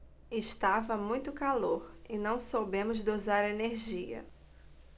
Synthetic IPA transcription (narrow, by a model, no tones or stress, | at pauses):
ɪʃt̪avɐmũj̃t̪ʊkaloɾɪnɐ̃w̃sobẽmʊzd̪ozaɾeneɾʒiɐ̰